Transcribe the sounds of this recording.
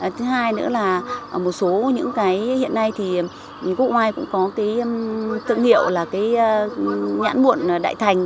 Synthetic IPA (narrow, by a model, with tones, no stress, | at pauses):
t̪ʰɨ˨˦ɦaː˧jnɨ̰˧˥əlaː˨˩˨mo˨˩t̚so˨˦ɲɨ̰˧˥ŋkaː˨˦jhḭ˧˨ənːa˧jt̪ʰi˨˩ | ku˦˥ək̚waː˧jkʊ̰˧˥ŋ͡mkɔ˨˦kaː˨˦jt̪ʰɨ̰˧˨əŋhḭ˧˨əwlaː˨˩kaː˨˦j | ɲa̰ː˧˥nɓu˧˨ən˩ɗa̰ː˧˨jt̪ʰa˨˩jŋ̟